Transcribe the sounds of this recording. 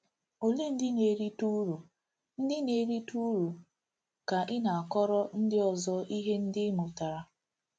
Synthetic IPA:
o˨le˦n̩˦dɪ˦ne˨˦ɾi˦tu˦ɾu˨ | n̩˦dɪ˦ne˦ɾi˦tu˦ɾu˨ | ka˨ʔɪ˦na˨a˨kɔ˦ɾɔ˦n̩˦dɪ˦ɔ˨zɔ˦ʔi˦ɦe˦n̩˦dɪ˦mʊ˨ta˨ɾa˨

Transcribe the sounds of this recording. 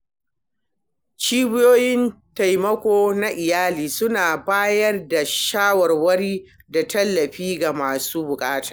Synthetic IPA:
t͡ʃiː˦bɪ˦joː˦jɪ˦n | ta˨jmɐ˦kʷoː˦na˦ʔɪ˨jaː˦liː˨sʊ˦naː˨baː˦jɐ˦rda˨ʃaː˦wɐ˨rwɐ˦ɽiː˦ | da˨tɐ˦lːɐ˨ɸiː˦ɡa˨maː˨suː˦bʊ˨kʼaː˦tḁː˨

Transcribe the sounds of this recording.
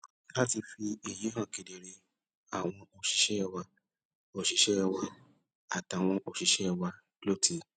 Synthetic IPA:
la˦ti˧fi˧e˨je˨˦ɦã˦˨ke˨de˨ɾe˧ | a˨w̃ɔ̃˧o˨ʃi˨˦ʃɛ˦˧wa˧ | o˨ʃi˨˦ʃɛ˦˧wa˧ | a˨ta˨w̃ɔ̃˧ʔo˨ʃi˨˦ʃɛ˦˧wa˧ | lo˦ti˧

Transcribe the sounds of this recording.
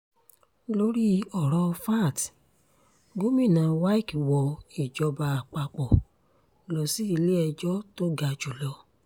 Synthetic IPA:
lo˦ɾi˦ɔ˨ɾɔ˧fa˦˨t | ɡo˦mĩ˦˨nã˨˧wa˦i˦˨kwɔ˧e˨d͡ʒɔ˧˦ba˧a˨k͡pa˧k͡pɔ˨ | lɔ˨si˦i˧le˦ɛ˧d͡ʒɔ˦to˦ɡa˧d͡ʒu˨lɔ˧˦

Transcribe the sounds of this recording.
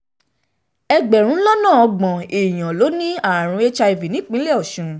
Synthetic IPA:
ɛ˧ɡ͡bɛ˨ɾ̃ũ˨˦lɔ˦nãː˦˨ɔ˧ɡ͡bɔ̃˨e˨j̃ã˨lo˨˦nĩ˦a˦˨ɾ̃ũ˧˦e˦t͡ʃa˧e˨vi˨nĩ˨˦k͡pĩ˨˦lɛ˦ɔ˦˨ʃũ˨˧

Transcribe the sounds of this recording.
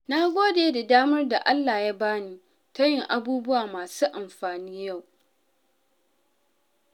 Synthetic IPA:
na˦ɡʷoː˦deː˨da˨daː˦mɐ˦rda˨ʔa˦lːaː˨ja˦baː˦niː˦ | ta˦jɪ˨ŋʔa˨˦buː˦bʊ˦waː˨maː˨suː˦ʔa˨mɸaː˨niː˦ja˦˨w

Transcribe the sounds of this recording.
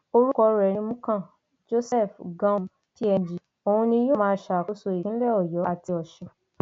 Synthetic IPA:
o˧ɾu˦kɔ˧ɾɛ˨nĩ˧mũ˦kã˦˨ | d͡ʒo˦sɛ˦˨fɡã˧ | ki˦ɛ˧˨d͡ʒi˨ | o˨hũ˧nĩ˧joː˦mãː˧˦ʃa˨ku˨˦so˧˨ji˨ĩ˨˦lɛ˦ɔ˨jɔ˨˦a˦˨ti˧ɔ˨ʃɛ̃˧

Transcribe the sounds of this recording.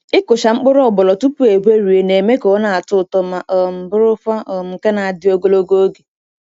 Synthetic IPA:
ɪ˦kʊ˨ʃa˨ŋ͡m̩˦k͡pʊ˦ɾɔ˦ɔ˨bɔ˨lɔ˨tu˦pu˦e˨ɡʷe˦ɾu˨e˨ne˨me˦kɔ˨˦na˨a˨tʊ˦˨tɔ˨ma˨ʔɔ˨m̩˨bʊ˦ɾʊ˦fa˦ɔ˨mŋ͡m̩˨ke˦na˨a˨dɪ˦o˦ɡo˦lo˦ɡo˦o˦ɡe˨

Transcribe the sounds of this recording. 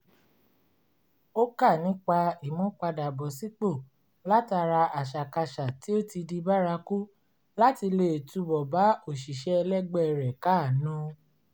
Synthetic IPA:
o˦ka˦˨nĩ˨˦k͡pa˧i˨mɔ̃˨˦k͡pa˧da˨bɔ˨si˨˦k͡po˦˨ | la˦ta˧ɾa˧a˨ʃa˨ka˧ʃa˨ti˨˦o˦ti˧di˧ba˦ɾa˧ku˦ | la˦ti˧le˧˨tu˧bɔ˨ba˨˦o˦˨ʃi˨ʃɛ˨˦˧lɛ˦ɡ͡bɛ˦˧˨ɾɛ˨ka˦˨nũ˦

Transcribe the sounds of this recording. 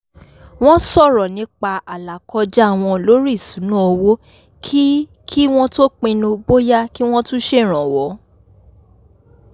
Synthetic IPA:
w̃ɔ̃˦sɔ˦˨ɾɔ˨nĩ˨˦k͡pa˧a˨la˨kɔ˧d͡ʒa˦a˦˨w̃ɔ̃˧lo˦ɾi˦˨sũ˨˦nũ˦o˧wo˦ | kʰi˦ | kʰi˦w̃ɔ̃˦to˦k͡pẽ˧nũ˧bo˦ja˦ki˦w̃ɔ̃˦tũ˦ʃe˦˨ɾ̃ã˨wɔ˨˦

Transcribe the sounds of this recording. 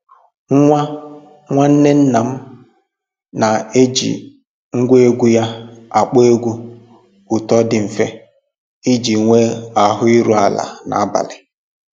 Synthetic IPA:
ŋ̩˦ŋʷa˦ | ŋʷa˦n̩˦ne˦n̩˦na˨m̩˦ | na˨e˦d͡ʒḭ˨ | ŋ̩˦ɡʷe˦e˦ɡʷu˦ja˦a˨k͡po˦e˦ɡʷu˦ | ʊ˨tɔ˦dɪ˨m̩˨fe˦ | i˦d͡ʒi˨ŋʷe˦a˨ɦʊ˦i˦ɾu˦a˨la̰˨na̰˨a˦ba̰˨lɪ˨

